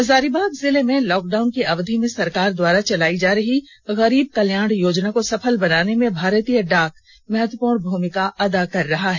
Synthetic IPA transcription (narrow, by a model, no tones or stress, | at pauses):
ɐzaːɾibaːɡ̪zɪlemẽlɔːkɖaːʊnkiɐʋd̪ʱimẽsɐɾkaːɾd̪waːɾat͡ʃɐlaːid͡ʒaːɾɐɦi | ɣɐɾiːb̚kɐljaːɽ̃joːd͡ʒnakosɐpʰəlbɐnaːnemẽbʱaːɾt̪ijəɖaːk | mɐɦət̪wəpuːɾɳbʱuːmɪkaʔɐd̪akɐɾːɐɦaɦɛː